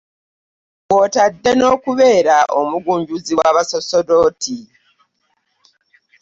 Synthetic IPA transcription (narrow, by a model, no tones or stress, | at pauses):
wotadːe̞no̞ːkuβe̞ːɾaʔomuɡuːɲɟuziwaβaso̞sodo̞ːti